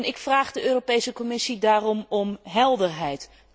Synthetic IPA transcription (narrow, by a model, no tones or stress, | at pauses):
nɪkfraːχdəʔøːropejsəkɔmɪsidaːrɔmɔmɦɛlˠdəɹɦɛjt